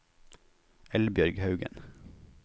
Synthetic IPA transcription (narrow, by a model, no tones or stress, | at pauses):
ɛlbjœɾɡhɑʉɡə̰n